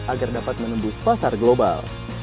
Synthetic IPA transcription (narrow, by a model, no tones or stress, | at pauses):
ʔaɡardapat̪̚mənəmbʊspasarɡloba̰l